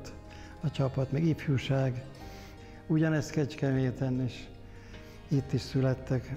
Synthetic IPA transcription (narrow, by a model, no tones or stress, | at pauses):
t̪ | ɒt͡ʃɒpɒt̪mɛɡifjuʃaːɡ | uɟɒnɛst̪kɛt͡ʃkɛmeːt̪ɛnːeːʃ | it̪ːiʃsylɛt̪ːɛk